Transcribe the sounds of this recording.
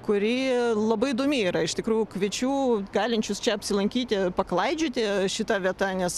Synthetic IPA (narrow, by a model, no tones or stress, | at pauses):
kʊɾʲiːlˠɐbɐɪd̪oːmʲɪiːɾɐɪʃtʲɪkɾuːjʊkʋʲɪt͡ʃʲuːɡɑːlʲɪnʲt͡ʃʲʊst͡ʃʲɛɐpʲsʲɪlˠɐŋʲkʲiːt̪ʲɪpɐklˠɐɪd͡ʒʲʊːt̪ʲɪʃʲɪt̪ɐʋʲiɛt̪ɐnʲɛs